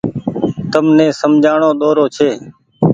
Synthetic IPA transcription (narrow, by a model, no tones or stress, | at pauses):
t̪əmnẽːsəmd͡ʒʱaːɳoːɗ̪oːɾoːt͡ʃʰeː